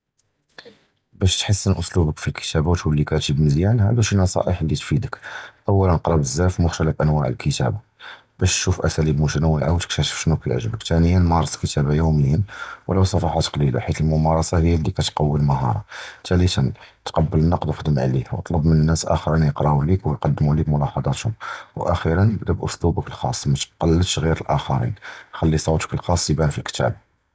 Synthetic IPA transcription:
bæʃt̪ħəsːənʔʊslubəkfilkə̥t̪æbawt̪əlːikæt̪ibməzjænhæ̰d̪uʃinːɑsˤɑ̰ʔəħəlːit̪fid̪əkʔæwːælənəqɾˤɑbəzːæfmʊxt̪æləfʔænwæʕə̰lkʰət̪æ̰ba | bæʃt̪ʃufʔæsælibmut̪ænwiʕawt̪ə̥k̚t̪æʃə̥fʃnukjə̰ʕʒəbəkt̪ænəjːənmɑɾˤɑsˤkət̪ʰæbajuməjːənwləwsˤɑfɑħɑt̪qlila̰ħit̪əlmʊmɑɾˤɑsɑhəjːælːikæt̪qɑwːəlməɦɑ̰ɾˤɑ̰t̪ælit̪ənt̪qɑbːələnːɑqd̪ˤwəxd̪əmʕ̰liwt̪ˤləbmənənːæsʔæ̰xəɾinjəqɾˤɑulikwjqɑd̪ːmulibmʊlɑħɑd̪ˤɑt̪hʊmwʔæxiɾənːəbd̪æbʔʊslubəkəlxɑ̰sˤːmæt̪qɑlːət̪ʃɣiɾəlʔæxɑɾḭnxælːisˤɑwt̪ə̥kəlxɑsˤːibænfilkt̪æ̰b

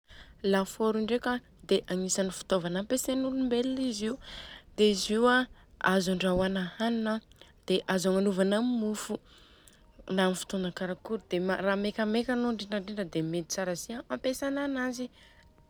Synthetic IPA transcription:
lafoɾiɳɖ͡ʐeka | d̪eʔaŋisanifi̥t̪ovanampesenulumbeliiziud̪eiziwa | azaɳɖ͡ʐawanahaninə | d̪̥eʔazaŋanuvanammufu | namifi̥t̪ond̪akaɾakuɾd̪̥emaramekʲamekʲanoɳɖ͡ʐiɳɖ͡ʐaɳɖ͡ʐiɳɖ͡ʐəd̪emed̪it͡saɾaziaampesananazi

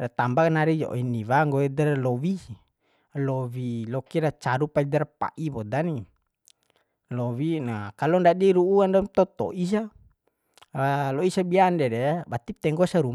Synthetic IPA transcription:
rat̪ambaknaɾid͡ʒɔ̰ɔ̰iniwaŋɡɔɛdɛrlɔwi | lɔwilɔkiɾat͡ʃaɾupaid̪ɛrpa̰ʔibɔd̪ani | lɔwinakalɔndadiɾuːandamt̪ɔt̪ɔ̰ʔis̬a | alɔisabiandɛdɛabat̪ip̚t̪ɛŋɡɔsaɾum

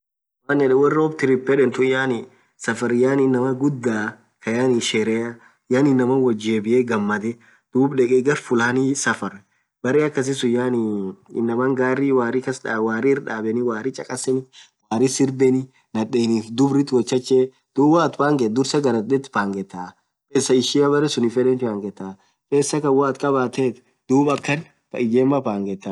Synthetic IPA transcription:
waːnɛᶑɛwɐrːɪɔːbt̪ɪɾɪpːɛᶑɛnt̪ʊjaːnɪ | sɐfɐɾjaːnɪnːɐmɐɡʊd̪ːaː | kɐjaːniʃɛɾɛjɐ | jaːnɪnːɐmɐwɐd͡ʒeːbɪʔeːɡɐmːɐd̪ɛ | d̪̥uːbᶑɛkʼɛɡɐɾfʊlaːnisɐfɐɾ | bɐɾɛɐkːɐs̬ɪsʊjːaːniɪ̰nːɐmɐŋɡaːriwaːrɪkɐsᶑːwaːrɪɪɾᶑaːbɛnɪwaːɾɪt͡ʃʼɐkʼɐsɛnɪ | waːɾɪsɪɾbɛnɪ | nɐᶑeːniːfd̪ʊbɾɪt̪ːwɐt͡ʃːɐt͡ʃːeː | d̪̥uːbaːt̪paːŋɡɛd̪ʊɾsɐɡɐɾɐt̪d̪ɛt̪ːpaːŋɡɛt̪ːa | keːsːɐɪʃɪɐbɐɾɛsʊnɪfɛᶑɛnt̪ɪaːŋɡɛt̪ːa | keːsːɐkɐwaːt̪kʼɐbaːt̪eːt̪ | d̪̥uːbɐkːɐn | fɐ̰ɪd͡ʒeːmːɐpaːŋɡɛt̪ːɐ

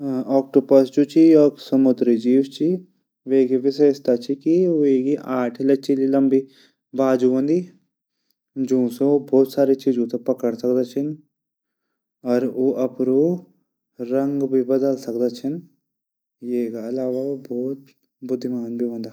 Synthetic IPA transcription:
ɔːk̚ʈopəst͡ʃut͡ʃʰiɔːɾsɐmʊd̪ɾid͡ʒiːwt͡ʃi | ʋeɡiʋɪseːst̪at͡ʃʰikioeːkiʔaːʈʰlɐt͡ʃililɐmbi | baːd͡ʒuɦõːnd̪iː | d͡ʒũːsebʱɔːt̪saːɾit͡ʃiːd͡ʒõt̪epɐkəɽsɐkd̪at͡ʃʰɪn | ɔːɾoʔɐpɾoː | ɾɐ̃ŋɡbʱibɐd̪əlsɐkd̪at͡ʃʰɐn | jeːkaɐlaːʋabʱɔːt̪ | bʊd̪ʱːimaːnbʱiɦõːnd̪aː

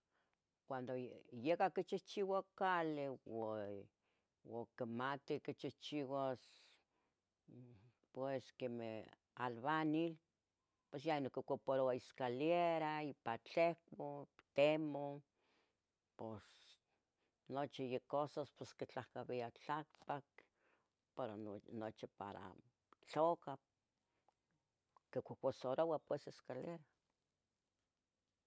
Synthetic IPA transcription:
kʷand̪ojekakit͡ʃiht͡ʃiwakalewa | wokemat̪ikit͡ʃiht͡ʃiwas | pweskemḛh | alβanil | pes̬janokikopoɾoaiskaljeɾaipat͡ɬehkʷot̪emo | pos | not͡ʃijekːosaspeskit͡ɬahkaβiat͡ɬakpak̚ | peɾonot͡ʃipa̰ɾa̰ | t͡ɬoka | kekʷokʷosoɾowapweseskaljeɾa

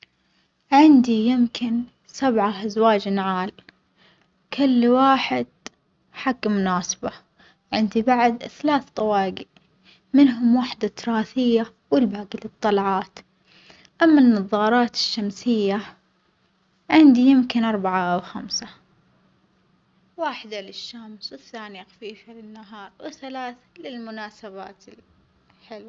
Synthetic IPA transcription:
ʕɪnd̪ijɪmkʰɪn | sabʕaʔazwaːd͡ʒnʕaːl | kʰʊlːwaːħɪd̪̥̚ | ħaɡmʊnaːsɪ̥ba | ʕɪnd̪ibaʕd̪θalaːθt̪ˤɑwɑːɡiʔ | mɪnɦʊmwaħd̪at̪ːʊɾˤɑːθɪjːa | wɪlbaːɡɪlɨt̪ˤːɑlʕɑːt̪ | ʔamːanːɑðˤːɑːɾˤɑːt̪ɪ̥ʃːamsɪjːa | ʕɪnd̪ijɪmkɪnʔɑɾˤbaʕawxamsa | waːħd̪alɪʃːamswɪθːaːnixḁfiːfalɪnːaɦɑːɾˤwɪθalaːθlɪlmʊnaːsaβa̰ːt̪ɪl | ħɪlwa

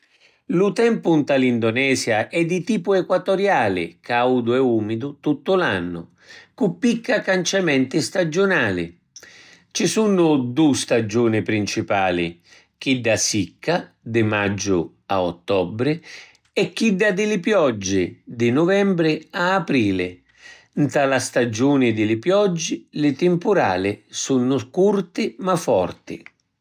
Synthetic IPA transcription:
lʊt̪ɛmpʊnt̪alind̪ʊnɛːzjaʔɛd̪it̪iːpʊɛkwat̪ɔɾjaːlɪ̰kawd̪ʊɛuːmid̪ʊt̪ut̪ːʊlanːʊ̰ | kupːikːakant͡ʃamɛnt̪ɪst̪ad͡ʒʊnaːlɪ̰ | t͡ʃɪsunʊd̪ust̪ad͡ʒuːnɪpɾint͡ʃipaːlɪ̰ | k̟id̪ːasikʰːa | d̪ɪmad͡ʒːʊ | a̰ɔ̰t̪ːɔbɾɪ | ɛkːid̪ːad̪ɪlɪpjɔd͡ʒːɪd̪ɪnʊvɛmbɾɪaːpɾiːlɪ | nt̪alast̪ad͡ʒuːnɪd̪ɪlɪpjɔd͡ʒːɪlɪt̪ɪmpʊɾa̰ːlɪsunːʊkurt̪ɪmafɔ̰rt̪ɪ̰

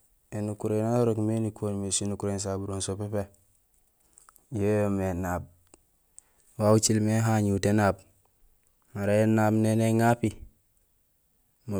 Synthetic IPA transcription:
enukuɾenaɾokmenikʰonmesinukuɾens̬abuɾonsopepe | jejomenab̚ | wawut͡ʃilmeɦaɲutenab | maɾajenabneneŋapi | mu

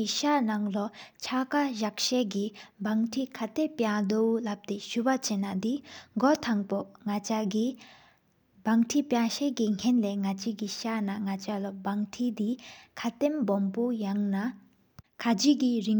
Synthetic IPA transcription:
iɕanaŋlɔt͡ɕʰakaʑak̚ɕekibaŋtʰikʰat̪epjad̪owlap̚t̪eɕupat͡ɕenad̪iŋɡot̪ʰaŋpoŋaai | baŋʈ͡ʂʰipjaɕekiŋ̥kʰɛnlɛːŋat͡ɕikiɕanaŋat͡ɕalɔbaŋtʰid̪ikʰat̪embɔmpojaŋna | kʰad͡ʑikiriŋ

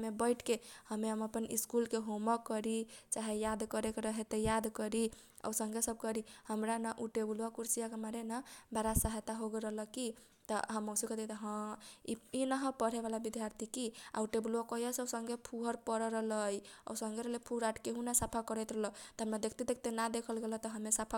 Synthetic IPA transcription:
mebəɪʈʰkehəmeəməpənḭskulkeɦoməkːəɾit͡ʃaɦejad̪kəɾekeɾəɦet̪ejad̪kəɾi | ɔ̰wsə̃ŋɡʱesəb̚kəɾihəmɾanaʔuʈebulwakuɾsijakemaɾenəbaɾasəɦet̪aɦoɡeɾəɦləki | t̪ɔɦəmːowsikət̪et̪ɔɦə̃iinəɦə̃pəɽ̤eβalabid̪ʱjaɾt̪ʰikia̰uʈebulakɔjasəbsəŋɡʱepʰuɦəɾpəɾɾələjɔ̰səŋɡeɾəɦlepʰuɾaʈkeɦunasapʰakəɾɛt̪ɾələt̪ɔɦəmɾad̪ekʰt̪ed̪ek̚ʰt̪enad̪ekʰəlɡelət̪ɔɦəmesapʰa

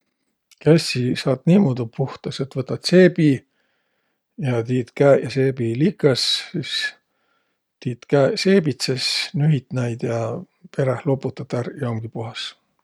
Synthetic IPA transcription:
kæsʲisɑːt̪niːmod̪upuht̪ɑse̞t̪vɤt̪ːˑɑt̪se̞ːbi | jɑt̪iːt̪kæjɑse̞ːbiliːkˑɑsis | t̪iːt̪kæseːbit̪sesnyɦit̪næjd̪̥jɑ | pe̞ɾehlo̞pːut̪ːˑɑt̪ːɑɾjɑmɡ̥ipuɦɑs

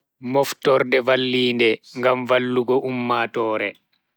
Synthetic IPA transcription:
mɔftɔɾdɛvalːiːndɛŋɡamvalːuɡɔʔumːatɔːɾɛ

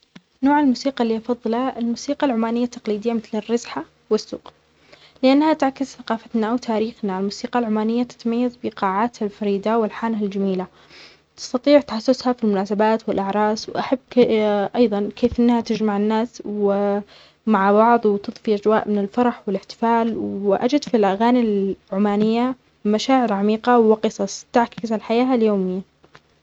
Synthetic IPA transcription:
noːʕɪlmuːsiːqɑlːiːʔɑfɑðˤːɨlɑɪlmuːsiːqɑlʕʊmaːnɪjːat̪ːɑqliːd̪ɪjːamɪθlɪrːɑzħa | wɪsːṵːq | lɪʔanːhat̪ʕakːɪzθaqɑːfat̪naʔawt̪ʰaːɾiːxnalmuːsiːqɑlʕʊmaːnɪjːat̪ɪ̥t̪majːazbɪqɑːʕaːt̪halfɑɾiːd̪awɪlħaːnɦald͡ʒamiːla | t̪ɪ̥st̪ɑt̪ˤiːʕt̪ħasːʊshafilmʊnaːsabaːt̪wɪlʔaʕɾˤɑːswʔaħabːʔɑjðˤɑnkʰeːfʔɪnːhat̪ɪd͡ʒmaʕɪnːaːswɪ | maʕbɑʕðˤwɪt̪ɨðˤfiʔad͡ʒwa̰ːʔmɪnɪlfɑɾˤɑħwɪlɪħt̪ɪ̥faːlwɪʔa̰d͡ʒɪd̪filʔaɣaːnilʕʊmaːnɪjːa | maʃaːʕɪɾʕamiːqɑwɪqɨsˤɑsˤt̪ɪʕkɪzalħajaːɦaljoːmɪjːa

